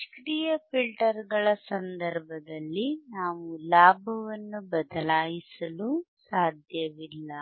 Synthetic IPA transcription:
kɾiːjɐpilʈɐɾɡɐɭɐsɐnd̪ɐɾbʱɐd̪ɐlːinaːʋulaːbʱɐʋɐnːubɐd̪ɐlaːjisɐlusaːd̪ʱjɐʋilːɐ

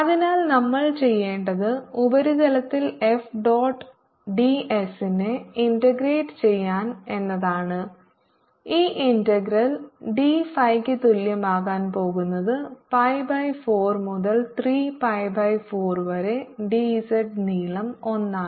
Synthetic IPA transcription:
ɐðinaːlnɐmːɐɭt͡ɕe̞jːe̞ːɳɖɐðɨubɐɾuɣɐlɐt̪ːilefɖoːʈː | ɖiʔesineindɐɡreːʈːɨ̥t͡ɕe̞jːaːne̞nːɐðaːɳɨ | iːʔindɐɡɾɐlɖifɐjkːɨt̪uljɐmaːɣaːnpo̞ːɣunːɐðɨpɐjbɐjfo̞ːrmuðɐlt̪riːpɐjbɐjfo̞ːrʋɐɾe̞ɖisɐʈniːlɐmo̞nːaː

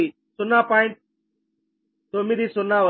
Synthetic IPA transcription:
i | sʊnaːpãːɪɳʈ̚ | t̪oːmiːd̪iːsʊnãːʋə

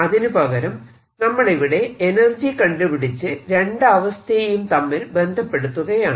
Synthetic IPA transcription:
ɐðinupɐɣɐɾɐm | nɐmːɐɽeʋiɽe̞enɐrd͡ʑikɐɳɖupiɽit͡ɕːɨɾeɳɖɐʋɐst̪ʰɐjɐjumt̪ɐmːilbe̞nd̪ʱɐpːe̞ɽut̪ːuɣɐjaːɳ

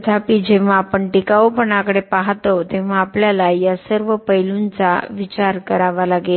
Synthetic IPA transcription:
t̪ʰapiːd͡ʑẽʋ̤ãːpəɳʈikaopəɳakəɽepaɦt̪ot̪ẽʋʋ̤aːpljalajasəɾʋəpəjlunt͡sa̰ʋit͡ɕaɾkəɾaʋalaɡel

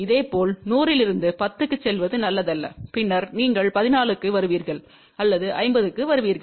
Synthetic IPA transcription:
ɪðeːpoːlnuːrɪlɪɾɯnd̪ɯpɐt̪ːɯkːɯt͡ʃːɛlʋɐðɯnɐlːɐðɐlːɐ̰pɪnːɐɾniːŋɡɐɭpɐðɪnaːlɯkːɯʋɐɾɯʋiːɾɣɐɭ | ɐlːɐðɯʔɐ̰ɪmbɐðɯkːɯʋɐɾɯʋiːɾɣɐɭ

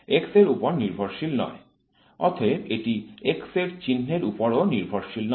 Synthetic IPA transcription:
ekseɾupoɾniɾbʱoɾʃilnɔ̰e | ɔ̰t̪ʰebeʈiekseɾt͡ɕinːeɾupoɾoniɾbʱoɾʃiln

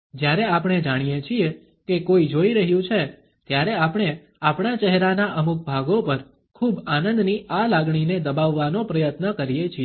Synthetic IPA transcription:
d͡ʒjaɾeapɽ̃ed͡ʒaɽ̃ijet͡ʃʰie | kekoid͡ʒoiɾəɦjũt͡ʃʰe | t̪jaɾɛapəɳ̃e | apɳat͡ʃɛɦɾanaʔəmuk̚bʱaɡopəɾ | kʰubanə̃nd̪nialaɡɳined̪əbaʋːanopɾəjət̪nəkəɾijet͡ʃʰie

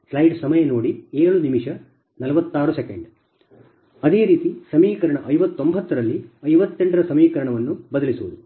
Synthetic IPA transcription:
slɐjɖsɐmɐjɐnoːɽieːɭunimiʂɐ | nɐlɐʋɐt̪ːaːɾuse̞keɳɖ | ɐd̪e̞ːɾiːt̪isɐmiːkɐɾɐɳɐʔɐjʋɐt̪ːo̞mbʱɐt̪ːɐɾɐlːiɐjʋɐt̪ːeɳʈɐɾɐsɐmiːkɐɾɐɳɐʋɐnːubɐd̪ɐlisuʋud̪u

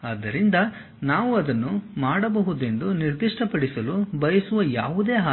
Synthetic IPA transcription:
ɐd̪ːɐɾind̪ɐ | naːʋuɐd̪ɐnːumaːɽɐbɐɦud̪e̞nd̪uniɾd̪iʂʈɐpɐɽisɐlubɐjɐsuʋɐja̰ːʋud̪eːɦaː

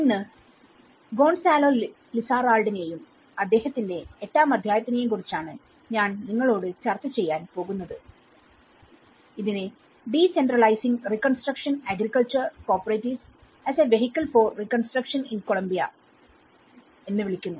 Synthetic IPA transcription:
inːɨ | ɡo̞ːɳsaːloː | lisaːraːɭɖɐnejum | ɐd̪ːe̞ːhɐt̪ːinde̞etːaːmɐd̪ʱjaːjɐt̪ːinejemkurit͡ɕːaːɳɨ | ɲaːnniŋːɐɭo̞ːɽɨt͡ɕɐrt̪ːɐt͡ɕe̞jːaːnpo̞ːɣunːɐðɨ | iðine | ɖiːsenɖrɐɭɐjsiŋɡrikːonsʈrɐkʂɐnaːɡrikːɐɭt͡ɕɐrko̞ːpɐrejtːis | ɐseʋe̞ɦikʲːɐlfoːrrikːonsʈrɐkʂɐninko̞ɭɐmbijɐ̰ | e̞nːɨʋiɭikʲːunːu

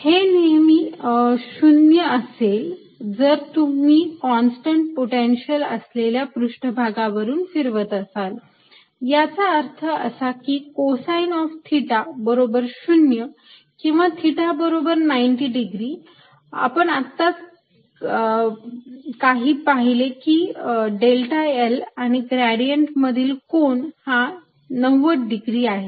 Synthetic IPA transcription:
henimiːɕunjəəsel | d͡zəɾt̪um̤iːkɔnsʈəɳʈ̚poʈenɕələ̰sleljapɾuʂʈəbʱaɡaʋəɾuːnfiɾʋət̪əsal | jat͡saəɾt̪ʰəʔəsakiːkosajinɔft̪ʰiʈabəɾobəɾɕunjə | kĩw̃ʋat̪ʰiʈabəɾobəɾnajɳʈiːɖiɡɾiː | a̰pəɳat̪ːat͡s | kaɦiːpaɦilekiːɖelʈaelaɽ̃iɡɾaɽijəɳʈməd̪ʱiːlkoɳha | nəwːəʈɖiɡɾiːaɦe

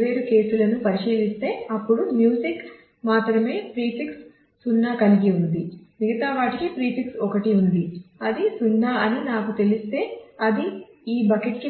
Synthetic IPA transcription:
ʋe̞ːɾuke̞ːsulɐnupɐɾiʃiːlist̪e̞ːɐpːuɽumjuːsik | maːt̪ɾɐme̞ːpɾiːpiksː | unːaːkɐniɡiund̪imiɡɐt̪aːʋaːʈikipɾiːpʰiksɔkɐʈiund̪iɐd̪isunːaːɐninaːkut̪e̞list̪e̞ːɐd̪i | iːbɐkeʈki

